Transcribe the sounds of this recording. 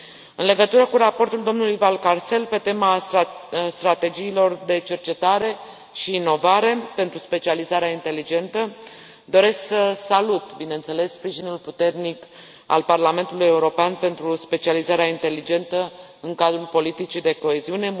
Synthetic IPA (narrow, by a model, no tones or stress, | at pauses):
ɨ̰nle̞ɡət̪uɾəkuɾapo̞rt̪uld̪o̞mnuluijvalkarse̞lpe̞t̪e̞ma | st̪ɾat̪e̞d͡ʒiːlo̞rd̪e̞t͡ʃe̞rt͡ʃe̞t̪aɾe̞ | ʃiːno̞vaɾe̞pe̞nt̪ɾuspe̞t͡ʃializaɾeaint̪e̞lid͡ʒe̞nt̪ə | d̪o̞ɾe̞sksəsalut̪binent̪se̞le̞sspɾiʒinulput̪e̞rnik | a̰lparlame̞nt̪uluje̞uɾo̞peanpe̞nt̪ɾuspe̞t͡ʃializaɾeaint̪e̞lid͡ʒe̞nt̪ə | ɨŋkad̪ɾulpo̞lit̪it͡ʃid̪e̞ko̞eziune̞